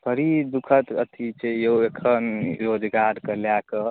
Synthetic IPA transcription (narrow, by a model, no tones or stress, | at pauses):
pʰəɾid̪ukʰət̪ə̰t̪ʰit͡ʃejoekʰənɾod͡ʒɡaɾkəljakə